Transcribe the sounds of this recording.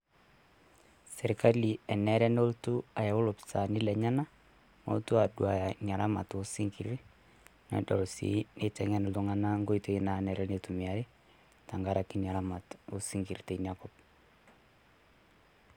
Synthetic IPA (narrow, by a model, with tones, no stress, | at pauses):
sɛ˨ɾka˦li˨ɛ˨nɛ˦ɾɛ˦no˦ltu˦a˨jɛ˨ʊ˦lʊpsa˨nɪ˦lɛ˨ɲa˦na˦ | mo̰˦ltu˦adua˨ja˨ɲa˨ɾa˦ma̰˨to˦siŋki˨ɾ | nɛ̰˨dɔ˨lsḭne˦tɛ˨ŋɛ˦no˨ltu˦ŋa˦na˦ŋɡo˦ito˦ina˨nɛ˨ɾɛnetumi˨a˨ɾe˦ | ta˨ŋɡa˦ɾa˨ki˦ɲa˨ɾama˨tosi˦ŋɡi˨ɾte˨nakɔp̚